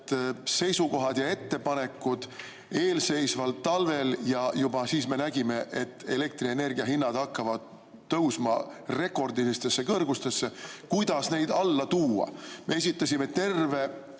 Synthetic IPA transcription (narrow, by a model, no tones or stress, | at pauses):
se̞jsuko̞ɦɑd̪̥jɑe̞t̪ːe̞pɑne̞kːˑud̪̥ | e̞ːlse̞jsvɑlt̪ːɑlve̞ljɑjubɑsiːsme̞næɡime̞ʔe̞t̪ːe̞le̞k̚t̪riene̞rɡiɑɦinːɑd̪̥ɑkːɑvɑd̪̥̚ː | ɤwsmɑre̞kˑo̞rd̪ist̪e̞sːe̞kɤrɡust̪e̞sːe̞kujd̪̥ɑsne̞jd̪ɑlːɑt̪uːɑ̰me̞e̞s̬ʲit̪ˑːɑsʲime̞t̪e̞rve̞